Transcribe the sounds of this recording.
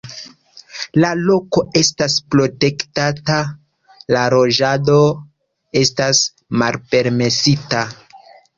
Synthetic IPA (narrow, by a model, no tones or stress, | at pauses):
lalo̞ko̞e̞staspɾo̞te̞ktata | laɾo̞ʒado̞ | e̞stas | malpe̞ɾme̞sita